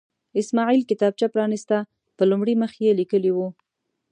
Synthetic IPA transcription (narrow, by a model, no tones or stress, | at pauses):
ɪsmɑʕilkɪt̪ɑb̚t͡ʃapɾɑnist̪a | pəlumɽiməxjelikəliwu